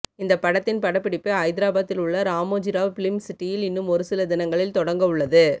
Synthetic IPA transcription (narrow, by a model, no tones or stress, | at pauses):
ɪnd̪ɐpːɐɽɐt̪ːɪnpɐɽɐpːɪɽɪpːɯɐɪðɪɾaːbaːt̪ːɪlʊɭːɐɾaːmoːd͡ʒɪɾaːʋpɪlɪmsɪʈːɪjɪlɪnːɯmɔɾɯsɪlɐd̪ɪnɐŋɡɐɭɪlt̪ɔɽɐŋɡɐɯɭːɐðɯ